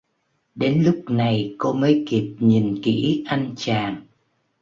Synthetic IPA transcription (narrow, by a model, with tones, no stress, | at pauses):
ɗe˨˦nlʊ˦˥k͡p̚na˨˩jko˧məː˨˦jki˨˩p̚ɲi˨˩nkḭ˧˥ʔa˧jŋt͡ɕaː˨˩ŋ